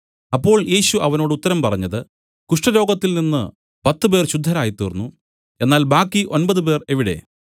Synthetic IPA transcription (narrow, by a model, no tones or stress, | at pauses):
ɐpːo̞ːɭje̞ːɕuʔɐʋɐno̞ːɽɨut̪ːɐɾɐmpɐrɐɲːɐðɨ | kuʂʈɐɾo̞ːɡɐt̪ːilninːɨ | pɐt̪ːɨpe̞ːrɕud̪ʱːɐɾaːjit̪ːoːrnːu | e̞nːaːlbaːkːiʔo̞nbɐðɨpe̞ːre̞ʋiɽe̞̰